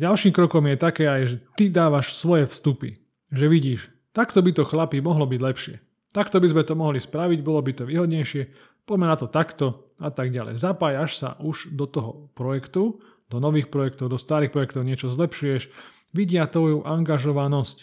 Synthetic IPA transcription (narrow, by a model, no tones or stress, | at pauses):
ɟalʃiːmkɾɔkɔmjɛt̪akɛːajʒɛt̪id̪aːʋaʃsʋɔjɛfst̪upḭ | ʒɛʋiɟiːʃ | t̪akt̪ɔbit̪ɔxlapimɔɦlɔbiɟlɛpʃɪɛ | t̪akt̪ɔbizmɛt̪ɔmɔɦlispɾaʋiɟbɔlɔbit̪ɔʋiːɦɔd̪ɲɛjʃɪɛ | pɔmɛnat̪ɔt̪akt̪ɔ | at̪aɡɟalɛ̰jzapaːjaʃsa̰ʔuʒd̪ɔt̪ɔɦɔpɾɔjɛkt̪u | d̪ɔnɔʋiːxpɾɔjɛkt̪ɔʊd̪ɔst̪aːɾiːxpɾɔjɛkt̪ɔʊɲɪɛt͡ʃɔzlɛpʃujɛʃ | ʋiɟɪat̪ʋɔjuʔaŋɡaʒɔʋanɔsc